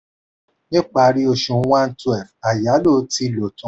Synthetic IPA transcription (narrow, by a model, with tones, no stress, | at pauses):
nĩ˦k͡pa˧ɾi˧˦o˧ʃũ˨˦wã˦n̩˦tu˦ɛ˨fa˨ja˨˦lo˦˨˦ti˧˨lo˨tũ˨˦